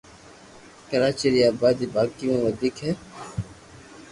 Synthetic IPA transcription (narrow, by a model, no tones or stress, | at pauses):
kəɾaːt͡ʃiɾiaːbaːd̪iːbaːkiẽːʋəd̪iːkɦɛː